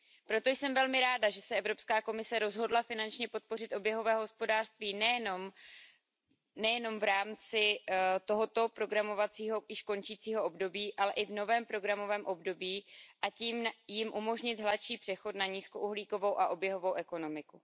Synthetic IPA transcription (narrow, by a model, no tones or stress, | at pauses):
pɾo̞t̪o̞jsɛmvɛlmɪɾaːdaʒɛsɛʔɛvɾo̞pskaːko̞mɪsɛɾo̞zɦo̞dlafɪnant͡ʃɲɛpo̞t̪̚po̞rɪt̪ʔo̞bjɛɦovɛːɦospo̞daːr̥st̪viːnɛjɛnom | nɛjɛno̞mvɾaːmt͡sɪt̪o̞ɦo̞t̪o̞pɾo̞ɡɾamo̞vat͡siːɦo̞jɪʃko̞nt͡ʃiːt͡siːɦo̞ʔobdo̞biːʔalɛʔɪvno̞vɛːmpɾo̞ɡɾamo̞vɛːmʔo̞bdo̞biːʔaciːmjɪmʔumo̞ʒɲɪt̪ɦlatʃiːpr̝̥ɛxo̞t̪̚naɲiːsko̞ʔuɦliːko̞vo̞wʔaʔo̞bjɛɦo̞vo̞wʔɛko̞no̞mɪku